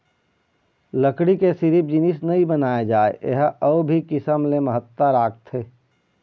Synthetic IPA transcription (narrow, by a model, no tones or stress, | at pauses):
ləkɽikesɪɾip̚d͡ʒinisnɐɦĩbənaːjad͡ʒaːḛʔḛɦɐʊbʱikɪsəmleməɦət̪ːəɾaːk̚t̪ɦeː